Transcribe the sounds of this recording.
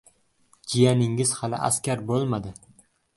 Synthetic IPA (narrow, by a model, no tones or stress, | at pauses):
d͡ʒijanɪŋɪz̥halɪ̰ʔa̰skʲaɾbolˠmad̪ɪ